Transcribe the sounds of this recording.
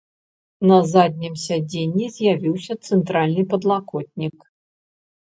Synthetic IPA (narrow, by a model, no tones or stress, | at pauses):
nɐzad̪̚ʲnʲimsʲad͡zʲenʲːizʲjavʲiwsʲɐt̪sɛnt̪ɾalʲnɨpɐd̪lˠakɔt̪̚ʲnʲik